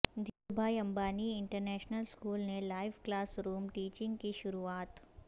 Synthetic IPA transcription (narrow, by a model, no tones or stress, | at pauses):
d̪ʱiːɾbʱaːiɐ̃mbaːniɪɳʈəɾnɛːʃnəlskuːlnelaːɪʋklaːsɾuːmʈiːt͡ʃɪ̃ŋɡkiʃʊɾuaːt̪